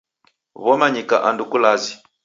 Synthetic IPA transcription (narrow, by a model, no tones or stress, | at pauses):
βɔmaɲika̰ʔandukulazi